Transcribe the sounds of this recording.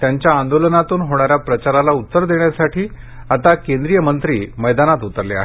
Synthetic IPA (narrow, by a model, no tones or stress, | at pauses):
t̪jaɲt͡ɕjaːnd̪olənat̪uːnɦoɽ̃aɾjapɾət͡ɕaɾalaut̪ːəɾd̪eɳjasaʈiː | at̪akẽnd̪ɾijəmənt̪ɾiːməjd̪anat̪ut̪əɾlea̰ɦ